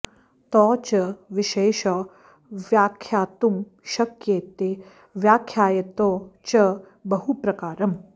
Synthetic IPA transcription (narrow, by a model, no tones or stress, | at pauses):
t̪ɔːt͡ʃɐʋiʃeːʃɐ | ʋjaːkʰjaːt̪um | ʃɐkjeːt̪e | ʋjaːkʰjaːjɐt̪oːt͡ʃɐ | bɐɦupɾɐkaːɾɐm